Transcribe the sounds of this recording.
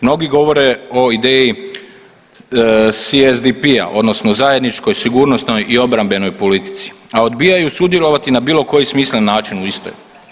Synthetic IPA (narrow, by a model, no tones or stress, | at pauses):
mno̞ɡiɡo̞ʋo̞ɾe̞o̞id̪eːji | siezd̪ipia̰ʔo̞d̪no̞snozaje̞d̪nit͡ʃko̞jsiɡuːɾno̞st̪no̞jʔio̞bɾambe̞no̞jpo̞lit̪i̥t̪si̥ao̞d̪biːjajusud̪je̞lo̞ʋat̪inabiːlo̞ko̞jismiːslenːaːt͡ʃinuist̪o̰j